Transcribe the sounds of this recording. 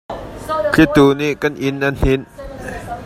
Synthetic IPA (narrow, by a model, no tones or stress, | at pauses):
t͡ɬʰit̪uːniːʔkanʔinʔann̥in